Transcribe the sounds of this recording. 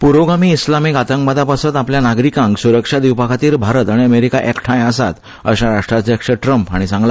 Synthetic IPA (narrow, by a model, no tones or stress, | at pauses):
puɾʋoɡamiːslamiːkat̪əŋk̚bad̪apasət̪apljanaɡɾikãŋksuɾəkʂad̪iwpakʰat̪iːɾbʱaɾət̪aɽ̃iəmeɾikaʔekʈʰãjəsat̪ | əɕaɾaʂʈɾaekʂəʈɾəmpaɽ̃isãŋɡla